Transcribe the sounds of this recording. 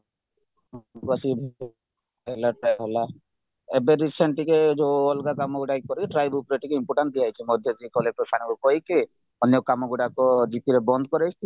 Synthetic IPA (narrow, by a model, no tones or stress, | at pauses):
mkuasibʱ | ɦɛlaʈajɦɛla | ebeɾiseɳʈiked͡ʒoɔlɡakamɔɡuɽajkːɔɾiʈɾajbupɾeʈikeimpɔʈanʈ̚d̪iajt͡ʃʰimɔd̪ʱjɔd͡ʒikɔlek̚pɔsaɽ̃iɡɔkɔike | ɔnjɔkamɔɡuɖakɔd͡ʒipʰiɾebɔnd̪ɔkɔɾajt͡ʃi